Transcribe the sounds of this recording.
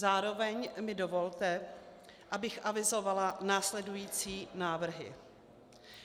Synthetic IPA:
zaːɾo̞vɛɲmɪdo̞vo̞lt̪ɛ | ʔabɪxʔavɪzo̞valanaːslɛdujiːt͡siːnaːvr̩ɦɪ̰

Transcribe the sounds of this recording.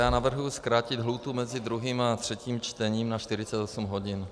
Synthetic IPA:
jaːnavr̩ɦujuskɾaːcɪd̪ɦluːt̪umɛzɪd̪ɾuɦiːmat̪r̝̥ɛciːmt͡ʃt̪ɛɲiːmnaʃt̪ɪɾɪt͡sɛt̪osumɦo̞ɟɪn

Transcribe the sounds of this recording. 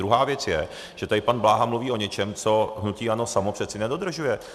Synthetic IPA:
dɾuɦaːvjɛt͡sjɛ | ʒ̥ɛt̪adɪpanblaːɦamluviːʔoɲɛt͡ʃɛmt͡so̞ɦnuciːano̞samopr̥ɛt͡sɪnɛdo̞d̪r̩ʒujɛ

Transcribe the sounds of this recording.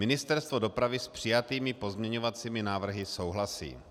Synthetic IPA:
mɪnɪst̪ɛɾst̪vo̞do̞pɾavɪspr̝̥ɪjat̪iːmɪpo̞zmɲɛɲovat͡siːmɪnaːvr̩ɦɪso̞wɦlasḭː

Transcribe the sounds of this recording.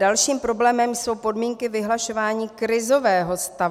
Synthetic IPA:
alʃiːmpɾo̞blɛːmɛmjso̞wpo̞dmiːŋkɪvɪɦlaʃo̞vaːɲiːkɾɪzo̞vɛːɦo̞st̪a

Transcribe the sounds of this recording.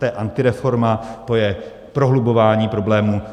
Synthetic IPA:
ɛːʔant̪ɪɾɛfo̞ɾmat̪o̞jɛ | pɾoɦlubovaːɲiːpɾo̞blɛːmu

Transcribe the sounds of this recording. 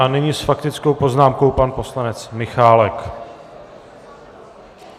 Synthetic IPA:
ʔanɪɲɪsfakt̪ɪt͡skowpo̞znaːmko̞wpanpo̞slanɛt͡smɪxaːlɛk

